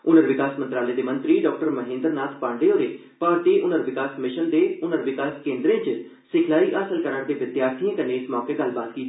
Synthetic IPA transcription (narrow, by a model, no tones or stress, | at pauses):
ʊnəɾʋɪkaːsmə̃nt̪ɾaːleːd̪eːmə̃nt̪ɾiːɖɔːk̚ʈəɾməɦẽːnd̪əɾnaːt̪ʰpãːɳɖɾeːoːɾeː | paːɾt̪iːʔʊnəɾʋɪkaːsmɪʃənd̪eːʊnəɾʋɪkaːskẽːnd̪ɾẽːt͡ʃ | sɪkʰlaːiːʔaːsəlkəɾəɳd̪eːʋɪt̪jaːɾt̪ʰiãːkəneːɪsmɔːkeːɡəlːbaːt̪̚ɡiː